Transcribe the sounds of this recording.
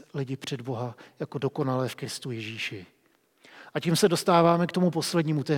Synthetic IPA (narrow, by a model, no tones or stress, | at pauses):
lɪɟɪpr̝̥ɛdbo̞ɦajako̞do̞ko̞nalɛːfkɾɪst̪ujɪʒiːʃɪ | ʔaciːmsɛdo̞st̪aːvaːmɛkt̪o̞mupo̞slɛdɲiːmut̪ɛː